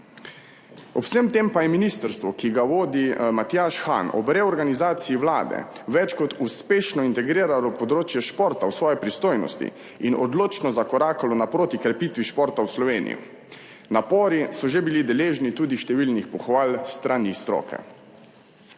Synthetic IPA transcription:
ɔpsəmt̪eːmpajɛminist̪əɾst̪ʋɔkiɡaʋoːd̪imat̪jaʃxa̰nɔ̰bɾɛɔɾɡanizaːt̪siːʋla̰ːd̪ɛ̰ʋɛt͡ʃkɔt̪uspeːʃnɔint̪ɛɡɾiːɾalɔpɔd̪ɾoːt͡ʃjɛʃpoːɾt̪awsʋɔːjɛpɾist̪oːjnɔ̰st̪ḭ | inʔɔ̰d̪loːt͡ʃnɔzakɔɾaːkalɔnapɾoːt̪ikɾɛpiːt̪ʋiʃpɔːɾt̪awslɔʋeːnḭjṵ | napɔːɾisɔʒebilid̪ɛleːʒnit̪uːd̪iʃt̪ɛʋiːlnixpɔxʋaːlst̪ɾanist̪ɾɔ̰ːkɛ̰

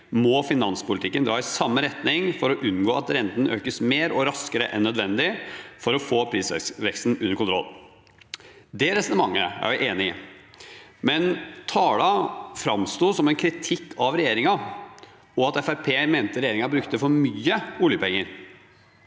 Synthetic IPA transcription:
mɔfɪnɑnspʊlt̪ɪkːənd̪ɾɑːɪsɑmːəɾɛt̪nɪŋfɔɾɔʔʉnɡoːɑt̪ɾɛnt̪n̩øːkəsmeːɾɔɾɑskəɾə̰ʔɛ̰nːœd̪ʋɛnd̪ɪfɔɾɔfoːpʰɾiːsʋɛkst̪n̩ʉnːəɾkʰʊnt̪ɾɔ̰lː | d̪ɛɾɛsənəmɑŋːə̰æ̰ɾʋɪʔeːnɪ | mɛnt̪ʰɑːlɑfɾɑmst̪uːsɔmɛnkʰɾɪt̪ʰɪkʰːɑʋɾɛjeːɾɪŋɑ | ɔɑt̪ɛfæɾpʰeːmeːnt̪əɾɛjeːɾɪŋɑbɾʉkt̪əfɔɾmyːəuːljəpɛŋːəɾ

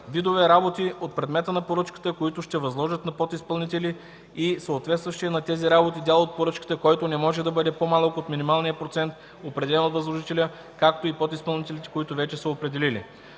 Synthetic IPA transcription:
vid̪ovɛɾabot̪iot̪̚pɾɛd̪mɛt̪ənɐpoɾɤt͡ʃkə̥t̪əkoit̪ʊʃt̪ɛvɐzlˠɔʒət̪nɐpɔt̪ispɐlˠnit̪ɛli | isəot̪vɛt̪st̪vɐʃt̪iɛnɐt̪ɛziɾabot̪id̪jalˠoot̪̚poɾɤt͡ʃkə̥t̪əkɔjt̪onɛmɔʒɛd̪ɐbɤd̪ɛpomalˠəkot̪minimalˠnijəpɾot̪sɛnt̪̚ | opɾɛd̪ɛlɛnot̪vɐzlˠoʒit̪ɛlʲə | kak̚t̪oipɔt̪ispɐlˠnit̪ɛlit̪ɛ̥koit̪ʊvɛt͡ʃɛsəopɾɛd̪ɛlilḭ

